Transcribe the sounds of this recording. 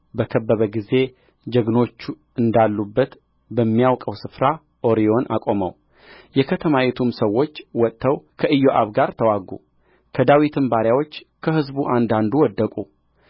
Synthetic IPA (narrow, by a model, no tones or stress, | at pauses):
bəkʰəbːəβəɡize̞ | d͡ʒəɡno̞t͡ʃːu | ɨnd̪alːubːət̪ | bəmːijawkʼəwsɨfɾa | ʔo̞ɾio̞nʔa̰kʼo̞məw | jɛkʰət̪ʰəmawɛt̪ʰumsəwːo̞t͡ʃːwɔt̪ʼːəwkʰəʔɨjːoʔaβɡaɾt̪ʰəwaɡṵ | kʰəd̪awit̪ʰɨmbaɾjawo̞t͡ʃː | kʰəhɨzbuʔand̪and̪uwɔd̪ːəkʼu